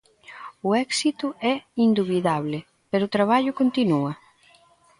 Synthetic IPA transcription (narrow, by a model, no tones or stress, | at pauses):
ʊɛksit̪ʊɛind̪uβiðaβlɪ | peɾʊt̪ɾaβ̞aʎʊkont̪inuɐ